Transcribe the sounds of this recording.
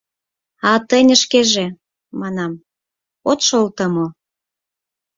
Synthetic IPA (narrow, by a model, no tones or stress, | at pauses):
ɑt̪ənʲə̆ʃkeʒe | mɑnɑm | ot̪ʃolt̪əmo